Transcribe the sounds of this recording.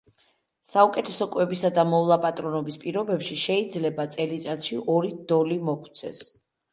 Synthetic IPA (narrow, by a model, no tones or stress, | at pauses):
saukʼɛt̪ʰɛsɔkʼwɛbisad̪amɔlˠapʼat̪ʼɾɔnɔbispʼiɾɔbɛpʃiʃɛid̪zlɛbat̪sʼɛlit̪ʼat̪ʃiʔɔɾid̪ɔlimɔkʰt̪sʰɛ̰s